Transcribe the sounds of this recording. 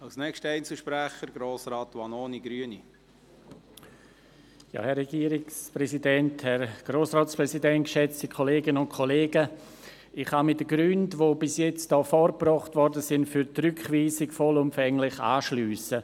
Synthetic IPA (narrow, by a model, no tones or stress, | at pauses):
ɑlsnɛkʃtəɛɪnsəl̩ʃpɾæχəɾɡ̥ɾoːsɾɑːtʋɑnoːniɡɾyəni | jɑ̰ːhɛrːɛɡ̥iːɾɪksprɛsidɛnthɛɾɡ̥roːsrɔːtspʁɛsidɛnt̚kʃɛt͡stikʰoleːɡənʊnt̚kʰoleːɡə | ɪχhamɪdəɡɾyndvoːbɪsjɛt͡std̥ɔːfɔɾprɔχtvɔɾdəsɪntfyːɾtrʏkχviːsɪɡfɔlʊmfɛŋlɪχa̰ːʃlyːsə